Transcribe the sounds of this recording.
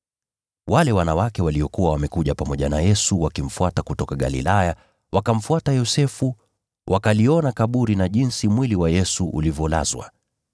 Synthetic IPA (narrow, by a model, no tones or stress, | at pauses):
walɛwanawakɛwaliɔkuwawamɛkuʄapamɔʄanajɛsuwakim̩fuatakutɔkaɠa̰lḭlaja | wakam̩fuatajɔsɛfu | wʔakaliɔnakaɓuɾinaʄinsimwiliwajɛsuʔṵlivjɔla̰zwa̰